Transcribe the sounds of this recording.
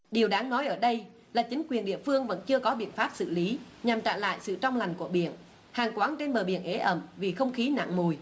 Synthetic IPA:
ɗi˨˩əwɗaː˨˦ŋnɔ˨˦jʔəː˧˩ɗə˧j | laː˨˩t͡ɕi˨˦ŋ̟kwi˨˩ənɗḭ˧˨əfɨ˧əŋvə̰˧˥nt͡ɕɨ˧əkɔ˨˦ɓḭ˧˨ənfaː˦˥p̚sɨ̰˧˨li˨˦ɲa˨˩mt͡ɕa̰ː˧˨la̰ː˧˨jsɨ̰˧˨t͡ɕɔ˧wŋ͡mla˨˩jŋ̟ku˧˩əɓḭ˧˨ən | haː˨˩ŋkwaː˨˦nt͡ɕe˧nɓəː˨˩ɓi˧˨ənʔe˨˦ʔə˧˩mvi˨˩xə˧wŋ͡mxi˨˦na̰˧˨ŋmu˨˩j

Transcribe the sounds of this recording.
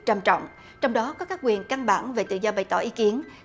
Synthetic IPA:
t͡ɕaː˧mt͡ɕɔ̰˧˨wŋ͡m | t͡ɕɔ˧wŋ͡mɗɔ˨˦kɔ˨˦kaː˦˥k̚wi˨˩ənka˧nɓa̰ː˧˩nve˨˩t̪ɨ̰˧˨zɔ˧ɓə˨˩jt̪ɔ̰˧˩˨ʔi˨˦ki˨˦ən

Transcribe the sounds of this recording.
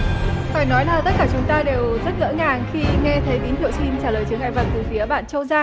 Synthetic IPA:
faː˧˩jnɔ˨˦jlaː˨˩t̪ə˦˥t̚kaː˧˩t͡ɕʊ˨˦ŋ͡mt̪aː˧ɗe˨˩wzə˦˥t̚ɣə̰˧˥ŋaː˨˩ŋxi˧ŋɛ˧t̪ʰə˨˦jɓi˨˦nt̪ḭ˧˨wsi˧nt͡ɕaː˧˩ləː˨˩jt͡ɕɨ˨˦əŋa̰ː˧˨jva˨˩t̪ɨ˨˩fi˨˦əɓa̰ː˧˨nt͡ɕə˧wzaː˧

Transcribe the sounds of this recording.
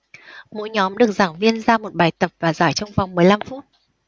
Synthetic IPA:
mo̰˧˥jɲɔ˨˦mɗɨ˨˩ək̚z̥aː˧˩ŋvi˧ənzaː˧mo˨˩t̚ɓaː˨˩jt̪ə˨˩p̚vaː˨˩zaː˧˩jt͡ɕɔ˧wŋ͡mva˨˩wŋ͡mmɨ˨˩əjla˧mfu˦˥t̚

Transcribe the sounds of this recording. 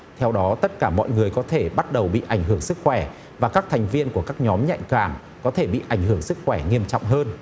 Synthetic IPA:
t̪ʰɛ˧wɗɔ˨˦t̪ə˦˥t̚kaː˧˩mɔ̰˧˨jŋɨ˨˩əjkɔ˨˦t̪ʰe˧˩ɓa˦˥t̚ɗə˨˩wɓḭ˧˨ʔa˧˩jŋ̟ɦɨ˧˩əŋsɨ˦˥k̚xwɛ˧˩ | vaː˨˩kaː˦˥k̚t̪ʰɛ˨˩jŋ̟vi˧ənku˧˩əkaː˦˥k̚ɲɔ˨˦mɲa̰˧˨jŋkaː˧˩m | kɔ˨˦t̪ʰe˧˩ɓḭ˧˨ʔa˧˩jŋ̟ɦɨ˧˩əŋsɨ˦˥k̚xwɛ˧˩ŋi˧əmt͡ɕɔ̰˧˨wŋ͡mɦəː˧n

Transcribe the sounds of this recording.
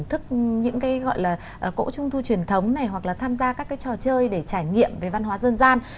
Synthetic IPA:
nt̪ʰɨ˦˥k̚ɲɨ̰˧˥ŋkaː˨˦jɣɔ̰˧˨jlaː˨˩ | ʔəː˨˩ko̰˧˥t͡ɕʊ˧ŋ͡mt̪ʰu˧t͡ɕwi˨˩ənt̪ʰə˨˦wŋ͡mna˨˩jɦwa˨˩k̚laː˨˩t̪ʰaː˧mzaː˧kaː˦˥kːaː˨˦jt͡ɕɔ˨˩t͡ɕəː˧jɗe˧˩t͡ɕaː˧˩jŋḭ˧˨əmve˨˩va˧nɦwaː˨˦zəː˧nzaː˧n

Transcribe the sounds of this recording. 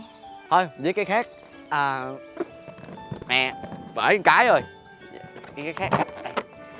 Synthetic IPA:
ho˧˩jzəː˨˦jkaː˨˦jxaː˦˥k̚ | ʔəː˨˩ | mɛ˨˩vəː˧˩˨ŋkaː˨˦jo˨˩j | kaː˨˦jkaː˨˦xaː˦˥k̚a˧˦˨

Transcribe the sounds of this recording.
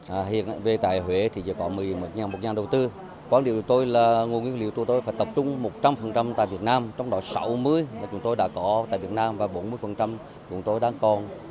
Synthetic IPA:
ʔɦḭ˧˨ənve˨˩t̪a̰ː˧˨jɦwe˧˦t̪ʰi˨˩zə̰ː˧˨˦kɔ˨˦mɨ˨˩əjmo˨˩t̚ɲaː˨˩nmo˨˩t̚ɲaː˨˩nɗə˨˩wt̪ɨ˧ | kwaː˧nɗi˧˩˨wt͡ɕt̪o˧jlaː˨˩ŋo˨˩ŋwi˧əŋlḭ˧˨ət̪u˧˨t̪o˧jfaː˨˦jt̪ə˨˩p̚t͡ɕʊ˧ŋ͡mmo˨˩t̚t͡ɕa˧mfə˨˩nt͡ɕa˧mt̪a̰ː˧˨jvi˨˩ət̚naː˧mt͡ɕɔ˧wŋ͡mɗɔ˨˦sa˨˦wmɨ˧əja˨˩t͡ɕʊ˨˦ŋ͡mt̪o˧jɗa̰ː˧˥kɔ˨˦t̪a̰ː˧˨jvi˨˩ət̚naː˧mvaː˨˩ɓo˨˦nmɨ˧əjfə˨˩nt͡ɕa˧m | t͡ɕʊ̰˨˦ŋ͡mt̪o˧jɗaː˧˥ŋkɔ˨˩n

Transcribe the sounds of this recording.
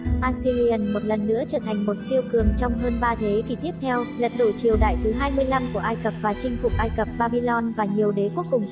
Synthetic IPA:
ʔaː˧si˧li˧ə˧nmo˨˩t̚lə˨˩nːɨ̰˧˥ət͡ɕəː˧˩t̪ʰa˨˩ŋ̟mo˨˩t̚si˧əwkɨ˨˩əŋt͡ɕɔ˧wŋ͡mɦəː˧nɓaː˧t̪ʰe˨˦ki˨˩t̪ʰi˦˥əp̚t̪ʰɛ˧wlə˨˩t̚ɗo̰˧˨t͡ɕi˨˩əwɗa̰ː˧˨jt̪ʰɨ˨˦ɦaː˧jmɨ˧əjla˧mku˧˩əʔaː˧jkə˨˩p̚vaː˨˩t͡ɕï˧ŋ̟fʊ˨˩k͡p̚ʔaː˧jkə˨˩p̚ɓaː˧ɓi˧lɔ˧nvaː˨˩ɲi˨˩əwɗe˨˦ku˦˥əkːʊ˨˩ŋ͡m

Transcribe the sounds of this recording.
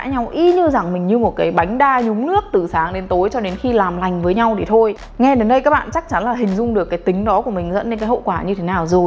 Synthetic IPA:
a̰ː˧˥ɲa˧wʔi˧ɲɨ˧za˨˩ŋmï˨˩ɲɨ˧mo˨˩t̚kaː˨˦jɓa˨˦jŋ̟ɗaː˧ɲʊ˨˦ŋ͡mnɨ˦˥ək̚t̪ɨ˨˩saː˨˦ŋɗe˨˦nt̪o˨˦jt͡ɕɔ˧ɗe˨˦nxi˧laː˨˩mla˨˩jŋ̟vəː˨˦jɲa˧wɗʰi˨˧˩t̪ʰo˧j | ŋɛ˧ɗe˨˦nɗə˧jkaː˦˥k̚ɓa̰ː˧˨nt͡ɕa˦˥k̚t͡ɕa˨˦nlaː˨˩ɦï˨˩ŋ̟zʊ˧ŋ͡mɗɨ˨˩əkːaː˨˦jt̪ï˨˦ŋ̟ɗɔ˨˦ku˧˩əmï˨˩ŋ̟zə̰˧˥ne˧nkaː˨˦jho̰˧˨kwaː˧˩ɲɨ˧t̪ʰe˨˦naː˨˩wzo˨˩j

